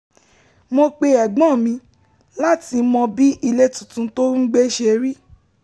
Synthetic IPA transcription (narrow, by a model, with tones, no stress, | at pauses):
mo˧k͡pe˧ɛ˨ɡ͡bɔ̃˦˨mĩ˧˦ | la˦˨ti˧mɔ̃˧bi˦ʔi˧le˦tũ˨tũ˧to˦n̩˦ɡ͡be˦ʃe˧ɾi˦